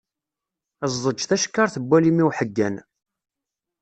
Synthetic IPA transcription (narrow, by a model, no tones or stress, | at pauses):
æzːˤəd͡ʒθæʃə̥kːɑɾˤθəbʷːælimiwħəɡːæn